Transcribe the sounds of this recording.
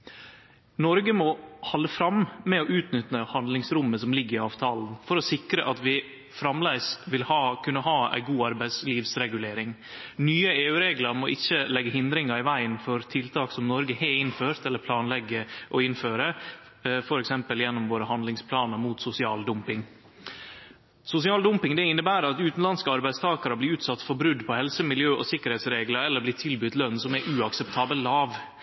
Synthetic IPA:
nɔɾɡəmɔhɑlːəfɾɑmmɛɔʔʉːt̪nʏt̪əhɑnd̪lɪŋsɾʊmːəsɔmlɪɡːəɾɪɑːʋt̪ʰɑːln̩fɔɾɔsɪkɾə̰ʔɑt̪ʋɪ | fɾɑmlæɪsʋɪlhɑːkʰʉnːəɦɑːæ̰ɪɡuːɑɾbæɪsliːʋsɾɛɡʉleːɾɪŋnyːəeːʉɾeːɡlɑɾmɔʔɪçːəlɛɡːəɦɪnd̪ɾɪŋɑɾɪʋæɪənfɔɾt̪ʰɪlt̪ʰɑːksɔmnɔɾɡəheːɪnføːɾt̪ɛlːəɾpʰlɑːnlɛɡːəʔɔɪnføːɾə | fɔɾɛksɛmpəljɛnːɔmʋoːɾəhɑnd̪lɪŋspʰlɑːnəɾmuːt̪sʊsɪɑ̰ːld̪ʊmpɪŋ | sʊsɪɑːld̪ʊmpɪŋd̪ɛɪnːəbæːɾəɑt̪ʉːt̪n̩lɑnskəɑɾbæɪst̪ʰɑːkəɾəbliːɾʉːt̪sɑt̪ːfɔɾbɾʉd̪pʰɔhɛlsəmɪljøːʔɔsɪkːəɾhɛːt̪sɾeːɡləɾɛlːəɾbliːt̪ʰɪlbʏt̪lœnsɔmɛɾʔʉɑksɛpt̪ʰɑːbəlɑːʋ

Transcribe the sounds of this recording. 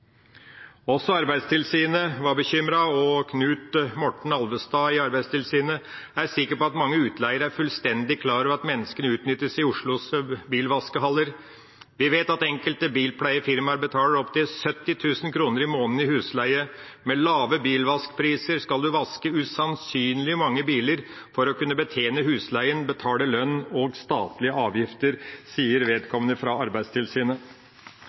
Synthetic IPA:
ɔsɔɑɾbæɪd̪st̪ʰɪlsiːnəʋɑbəçʏmɾɑɔkʰnʉːt̪mɔʈɳ̩ɑlʋəst̪ɑːɪɑɾbæɪst̪ʰɪlsiːnəæɾsɪkːəpɔɑt̪mɑŋːəʉːt̪ʰlæɪəɾæɾfʉlst̪ɛnd̪ɪkʰlɑːɾœʋɑt̪mɛnːəskənəʉːt̪nʏt̪ːəsɪʊʂɭʊsbiːlʋɑskəɦɑlːəɾ | ʋɪʋeːt̪ɑt̪ɛŋkəlt̪əbiːlpʰlæɪəfɪɾmɑɾbət̪ʰɑːləɾɔpt̪ɪlsœt̪ːɪt̪ʰʉːsənkʰɾuːnəɾɪmoːnn̩ɪhʉːslæɪəmɛlɑːʋəbiːlʋɑskpʰɾiːsəɾskɑld̪ʉʋɑskəʉsɑnsyːnlɪəmɑŋːəbiːləɾ | fɔɾɔkʉnːəbət̪ʰeːnəhʉːslæɪənbət̪ʰɑːləlœnːɔɡst̪ɑːt̪lɪəɑːʋjɪft̪əɾsiːəɾʋeːd̪kʰɔmənəfɾɑɑɾbæɪd̪st̪ʰɪlsiːnə

